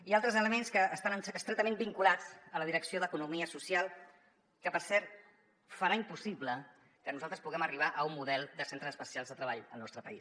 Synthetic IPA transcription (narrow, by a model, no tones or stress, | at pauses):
ialˠt̪ɾəzələmenskəʔːst̪anəsəst̪ɾet̪əmẽmbiŋkulad͡zələðiɾəksioðəkunumiəsusialˠ | kəpəɾsɛɾt̪ | fəɾaimpusiβlə | kənuzalˠt̪ɾəspuɣɛməriβ̞aʔəumːuðɛlˠd̪əsent̪ɾəzəspəsialzðət̪ɾəβaʎə̰lnɔst̪ɾəpəis